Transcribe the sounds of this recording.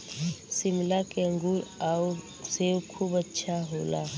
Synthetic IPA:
simlakeəŋɡuaw | sewkʰubətːʃʰaɦoːla̰

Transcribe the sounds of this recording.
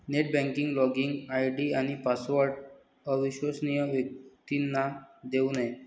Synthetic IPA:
neʈ̚bɛ̃ŋkiŋɡlɔɡiŋɡajɖiañipasʋɔɾʈ | əʋiɕʋəsnijəʋjək̚t̪inːad̪eunaj

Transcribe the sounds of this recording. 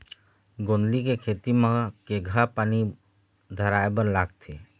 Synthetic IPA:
ɡoːnlikekʰeːt̪imə̃keɡʱapaːni | d̪ʱəɾaːebəɾlaːɡt̪ʰeː

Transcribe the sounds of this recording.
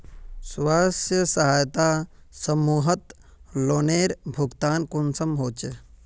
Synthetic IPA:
swaːsjəsəɦaːjt̪asəmuːɦət̪ | loːneːɾbʱuɡt̪aːnkunsəmɦoːt͡ʃe

